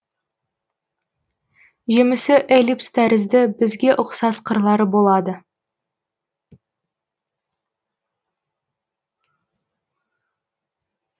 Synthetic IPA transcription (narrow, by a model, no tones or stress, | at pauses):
ʒe̞mɪsɪʔelʲipst̪ʰæɾɪzd̪ɪbɪzɡʲe̞ʔʊqsɑsqʰəɾlˠɑɾəbo̞lˠɑd̪ə